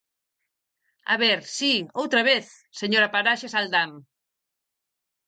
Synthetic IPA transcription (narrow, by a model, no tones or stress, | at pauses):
a̰βeɾsiowt̪ɾaβeθ | seɲoɾapaɾaʃesald̪am